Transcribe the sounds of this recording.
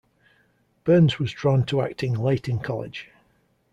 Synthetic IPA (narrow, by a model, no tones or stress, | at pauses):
b̥ɜːnzwɒzdɹɔ̃ntʰəa̰k̚tʰɪ̃ŋleɪʔʰɪ̃nkʰɒlɪ̰d̥ʒ̥